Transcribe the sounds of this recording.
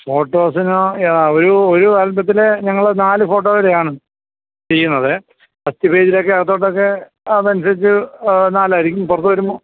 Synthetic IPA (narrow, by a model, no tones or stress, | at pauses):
fo̞ːʈːo̞ːsinoenaoɾuoɾuɐlbɐt̪̬ːileɲɐŋːɐɭenaːlɨfo̞ːʈːoːʋɐɾejaːɳɨ | t͡ɕe̞jːunːɐðɨ | ɐst̪ibeːd͡ʑilokːeɐɐt̪ːo̞ːʈːokːe̞ | ɐðɐnusɐɾit͡ɕːɨnaːlaɾikʲːumpurɐt̪ːuʋɐɾumːbo̞ː